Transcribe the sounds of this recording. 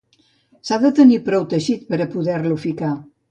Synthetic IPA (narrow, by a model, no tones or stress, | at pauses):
saðət̪ənipɾɔwt̪əʒit̪̚pəɾəpuðɛɾlufika